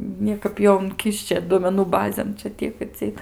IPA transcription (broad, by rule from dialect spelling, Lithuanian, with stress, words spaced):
ˈnʲiɛkɐp ˈjoː ʊŋʲˈkʲɪʃʲt͡ʃʲɛ duɔmʲɛˈnuː ˈbɑːzʲeːn ˈt͡ʃʲɛ ˈtʲiɛk ɐtʲsʲɪˈɛɪt